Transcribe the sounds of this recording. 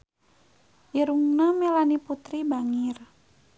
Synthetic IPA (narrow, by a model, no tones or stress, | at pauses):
ʔiɾuŋnamɛlaniput̪ɾibaŋir